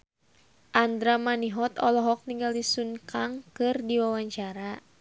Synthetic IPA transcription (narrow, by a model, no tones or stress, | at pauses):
ʔand̪ɾamaniɦɔt̪ɔlɔɦɔk̚niŋɡaldisunkaŋkɨrdiwawaɲt͡ʃaɾa